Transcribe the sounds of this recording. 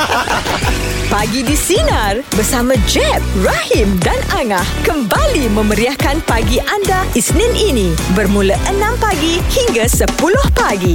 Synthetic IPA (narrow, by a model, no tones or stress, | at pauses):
paɡidisinarbərsamãd͡ʒɛp̚rahimdanaŋahkəmbalimə̃məɾiahkanpaɡiʔandaisninʔinĩ | bərmũləʔənãmpaɡihiŋɡasəpulʊhpaɡi